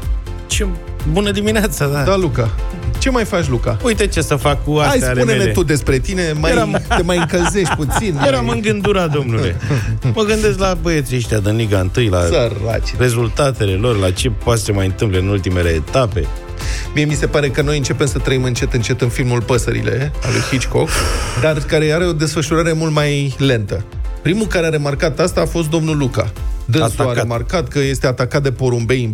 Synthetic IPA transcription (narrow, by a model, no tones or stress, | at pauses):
t͡ʃe | bunəd̪imineat̪sad̪ad̪alukat͡ʃe̞majfat͡ʃʲlukaujt̪et͡ʃesəfakːuasajsalunelet̪ud̪e̞spɾe̞t̪ine̞majɾamt̪e̞majɨŋkəlze̞ʃt̪̚ʲput̪sinjeɾamɨŋɡɨnd̪uɾad̪o̞mnuleməɡɨnd̪e̞stlabəet̪ɾiʃt̪ʲad̪ɨnliɡaɨnt̪ɨjlasəra̰t͡ʃre̞zult̪at̪e̞le̞lo̞rlat͡ʃe̞passemajɨnt̪ɨmpleɨnult̪ime̞le̞ːt̪ape̞̰ | miemise̞paɾe̞kəno̞jɨnt͡ʃe̞pe̞msət̪ɾəimɨnt͡ʃe̞t̪ɨnt͡ʃe̞t̪ɨnfilmulpəsəɾḭle̞a̰lṵjhit͡ʃko̞kd̪arkaɾe̞aɾe̞o̞d̪e̞sfəʃuɾaɾe̞mult̪majle̞nt̪əpɾimukaɾeaɾe̞markat̪ast̪aːfo̞st̪̚d̪o̞mnuluka̰d̪ɨ̃suaemarkat̪kəje̞st̪e̞at̪akat̪̚d̪e̞po̞ɾumbe̞j